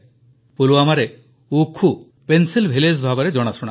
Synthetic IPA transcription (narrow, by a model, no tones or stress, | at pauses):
puluamaɾe | ukʰu | pensilbʱilesbʱabɔɾed͡ʒɔɽ̃asɔɽ̃a